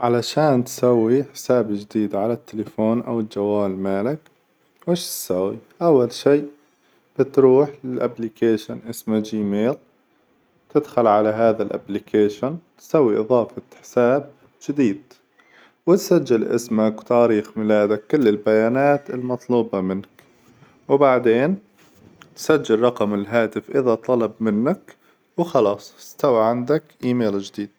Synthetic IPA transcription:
ʕalaʃaːnt̪sawːiħɪ̥saːbd͡ʒd̪iːd̪ʕalat̪ːɪlɪfoːnʔa̰wɪld͡ʒawːaːlmaːlak | wɪʃt̪sawːiʔawːalʃiːʔ | b̥ɪt̪ɾuːħɪlʔa̰blikeːʃanʔɪsmad͡ʒiːmeːl | t̪ɪd̪xalʕalaɦaːðalʔa̰blɪkʰeːʃɪnt̪sawːiʔɨðˤɑːfɑħɪ̥saːb̚ | d͡ʒɪd̪iːd̪ | wɪt̪sad͡ʒːalʔɪ̰smakwt̪aːɾiːxmɪlaːd̪akːɪlːɪlbajaːnaːt̪ɪlmɑt̪ˤluːbɑmɪnak | wbaʕd̪eːn | t̪sad͡ʒːɪlɾˤɑqɑmɪlɦaːt̪ɪfʔɪðat̪ˤɑlɑbmɪnːak | wxɑlɑːsˤɪst̪awaʕand̪akʔiːmeːld͡ʒɪd̪iːd̪̥̚

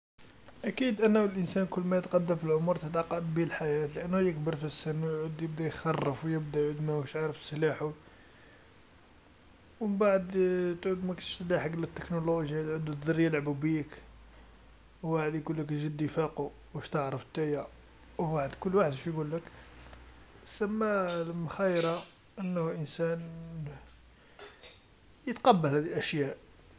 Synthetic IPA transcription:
ʔækid̪ʔənːæwəlʔənsænkʊlːmæjət̪qɑd̪ːəmfilʕʊmʊɾt̪ət̪ʕɑqːɑd̪bilħajæt̪ləʔænːhujəkbəɾfisːənːwjʕud̪jəb̚d̪æjxɑrˤːəfwjəb̚d̪æjʕud̪mækʃʕaɾəfsːəlaħu | wbaʕəd̪t̪ʕud̪mæk̪ʃt̪laħəklət̪ːə̥knoloʒjat̪ʕud̪ut̪zɑrːəjalʕabubiək | wwaħəd̪jɡulːəkʒəd̪ːifæqu | wəʃt̪əʕɾˤəft̪ːæja | wwaħəd̪kʊlːwaħəd̪ʃjɡulːək | səmːalməxæjɾɑ | ʔənːhʔənsæn | jət̪qɑbːəlhæd̪ilʔæʃjæʔ

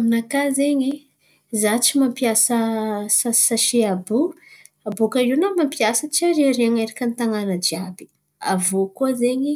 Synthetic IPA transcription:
minakazeɲi | zat͡ʃimampijasəsasaʃiabu | abukainamampiasət͡ʃaɾeɾeaŋeɾakʲənit̪aŋanəd͡ʒiabi̥ | a̰vokozeɲi

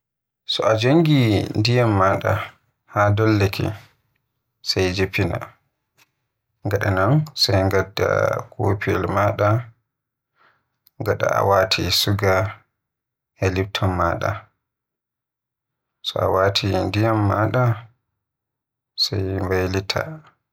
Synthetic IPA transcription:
sɔʔad͡ʒoŋɡindijamːaɗa̰ | hadɔlːɛkʰɛ̰ | sajd͡ʒepina̰ | ŋɡaɗanansajŋɡadːa̰kʰo̰piɛ̰lmaɗa | ŋɡaɗa̰a̰waːtʰisuɡa | elip̚tʰɔmːaɗa̰ | sɔa̰watʰindijamːaɗa | sajmbajlitʰa̰

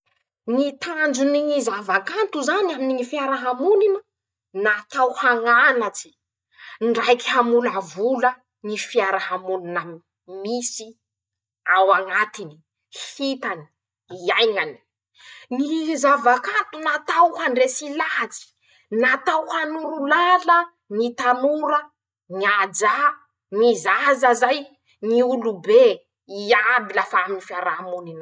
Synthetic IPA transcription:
nit̪ʰand͡ʒuniizavakant̪uzaniaminiŋifjaɾaɦamuninə | nat̪awhaŋanat͡si̥ | ɳɖ͡ʐajki̥hamulavulə | nifiaɾahamunina | misi | awaŋat̪ini̥ | hit̪ani̥ | iajŋani̥ | nizavakant̪unat̪awhaɳɖ͡ʐesilat͡si̥ | nat̪awhanuɾulalə | nit̪anuɾə | ŋiad͡ʒa | nizazazaj | niulube | iabilafaaminifiaɾaɦamunin

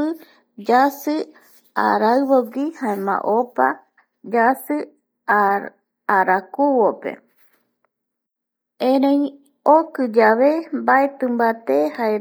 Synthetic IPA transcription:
ɨ | d͡ʒasɨ | a̰ɾaɨβoɡihaemã̰ʔopa | d͡ʒasɨ | aɾakuβopḛ | ẽɾẽĩ | okɨd͡ʒaβembaet̪ɨ̃mbat̪ehae

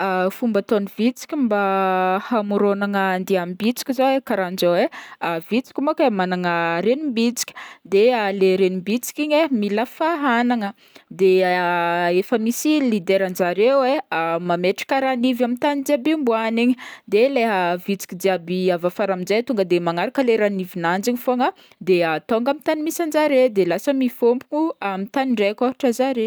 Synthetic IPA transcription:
əfumbət̪onivit͡si̥kʲimbahamuɾonaŋənd̪eamibit͡si̥kʲizowekaɾand͡ʒaweavit͡si̥kʲimakamanaŋəɾenimbit͡si̥kʲi̥d̪ealeɾenimbit͡si̥kʲiɲemilafaɦanaŋə | d̪e | efəmisilid̪eɾand͡ʒaɾeweamameʈ͡ʂḁkʲəɾanivamint̪anid̪iabimbuaniɲid̪eleɦəvit͡si̥kʲid̪iabiavafaɾamid͡zet̪uŋɡəd̪emaŋaɾakəleɾanivinand͡ʒiɲifoŋə | d̪eat̪oŋɡamit̪animisand͡ʒaɾed̪elasəmifompunuamit̪aniɳɖ͡ʐekoɦaʈ͡ʂəzaɾe

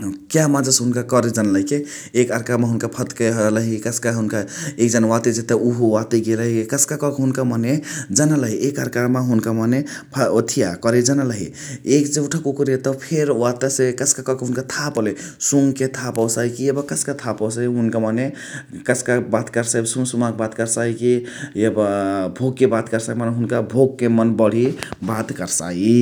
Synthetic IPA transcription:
kjamãd͡ʒəsɦunkakəɾed͡ʒənləike | ekəɾkameɦunkapʰət̪kələɦikəsʰkaɦunkaek̚d͡ʒanwat̪ed͡ʒet̪euɦuwat̪eɡeləɦikekəskakɔkɦunkamaned͡ʒənələɦiʔekəɾkameɦunkamanepʰot̪ʰijakəɾɛd͡ʒənələɦḭ | ekd͡ʒeuʈʰakukɾiet̪əpʰeɾuat̪əsekəskakʌkɦunkat̪ʰapəle | suŋket̪ʰapɔwsaɦikiebʌkəskat̪ʰapɔwsaɦiɦunkamane | kəskabat̪kəɾsaibsuŋsumakebat̪kəɾsaikiebbʱoɡkebat̪kəɾsakimanɦunkabʱoɡ̚kemənbʌɽ̤ibat̪kəɾsa̰i

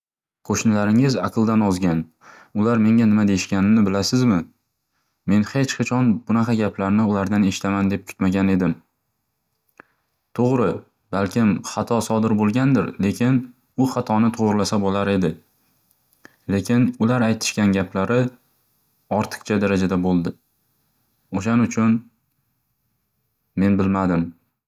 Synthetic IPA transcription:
kʰoʃnɪlaɾɪŋɪzaqʰɨlˠd̪anɒzɡʲan | ʊlaɾme̞ŋʲanɪmad̪ejɪʃkʲanɪmnɪbɪlasɪzmɪ | me̞nhe̞t͡ʃqʰɑt͡ʃʰɒnbʊnaqʰɑɡʲaplaɾnɪʊlaɾd̪ane̞ʃɪ̥t̪ʰamand̪e̞p̚kʰʊ̥t̪maɡʲane̞d̪ɪm | t̪ʰoʁɾɪ | balkʲɪmχɑt̪ʰɒsɒd̪ɪɾbolˠɡʲand̪ɪɾle̞kʲʰɪn | ʊχɑt̪ʰɒnɪt̪ʰoʁɾɪlasabolaɾe̞d̪ɪ | le̞kʲɪnʊlaɾajt̪ʰɪ̥ʃkʲanɡʲapʰlaɾɪ | ɒɾt̪ʰɨ̥qt͡ʃʰad̪aɾad͡ʒad̪abolˠd̪ɪ | oʃanʊt͡ʃʰʊn | me̞nbɪlmad̪ɪm

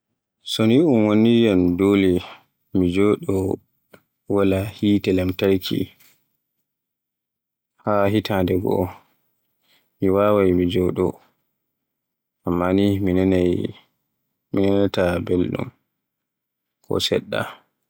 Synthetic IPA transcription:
soniunwonijɛmdoːli | mid͡ʒɔɗɔ | walahiːtɛlɛmtaɾkʰḭ | haɦitʰandɛɡɔ̰ | miwawajmid͡ʒɔɗɔ̰ | ʔamːaniminn | minɛnatabelɗṵm | kʰɔ̰sɛ̰ɗːa̰

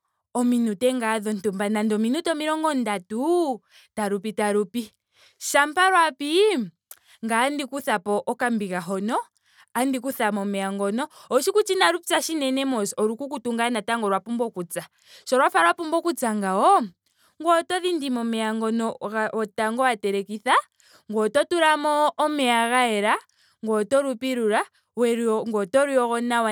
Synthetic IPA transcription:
ɔminutɛŋɡaðɔntumbanandɔminutɔmiɾɔŋɡɔndatu | taɾupitaɾupi | ʃampaɾwapi | ŋɡandikuθapɔʔɔkambikaɦɔnɔ | andikuθamɔmɛaŋɡɔnɔɔʃikut͡ʃinaɾupi̥saʃinɛnɛmɔsɔɾukukutuŋɡanataŋɡɔɾwapumbɔkut͡sa | ʃɔɾwafaɾwapumbɔkud͡zaŋɡaɔ | ŋɡɔtɔðindimɔmɛaŋɡɔnɔɣaɔtaŋɡɔatɛɾɛkiθa | ŋɡɔtɔtuɾamɔːmɛaɣaɛɾa | ŋɡɔtɔɾupiɾuɾa | wɛɾŋɡɔtɔɾuɔɣɔnawa

